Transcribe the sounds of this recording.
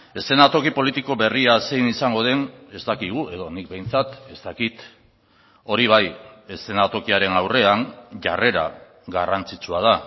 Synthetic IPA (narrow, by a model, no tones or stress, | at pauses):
e̞se̞nat̪o̞kipo̞lit̪iko̞βe̞riasejnisaŋɡo̞ð̞e̞ne̞zt̪akiɣ̞ue̞ðo̞nik̚be̞jnt͡sat̪e̞st̪akit̪ | o̞ɾiβ̞aje̞se̞nat̪o̞kiaɾe̞nawre̞aŋʝa̰re̞ɾa̰ | ɡarant͡sit͡suaða